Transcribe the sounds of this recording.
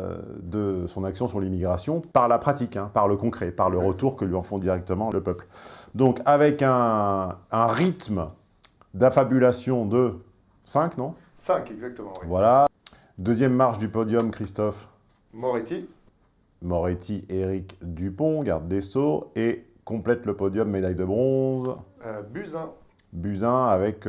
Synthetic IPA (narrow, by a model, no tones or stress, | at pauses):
d̪əsɔ̃naksjɔ̃syʁlimiɡʁasjɔ̃paʁlapχat̪ikɛ̃paʁləkɔ̃kχɛpaʁləʁət̪uʁkəlɥiɑ̃fɔ̃d̪iʁɛk̚t̪əmɑ̃ləpœpld̪ɔ̃kavɛkɛ̃ː | ʁit̪m | d̪afabylasjɔ̃d̪ə | sɛ̃knɔ̃ | sɛ̃kɛɡzak̚t̪əmɑ̃vwala | d̪øzjɛmːaʁʃd̪ypɔd̪jɔmkχist̪ɔf | mɔʁet̪i | mɔʁet̪ʰiʔeʁikd̪ypɔ̃ɡa̰ʁd̪ːesoekɔ̃plɛt̪ləpɔd̪jɔmːed̪ajd̪əbʁɔ̃zbyzɛ̃ | byzɛ̃avɛk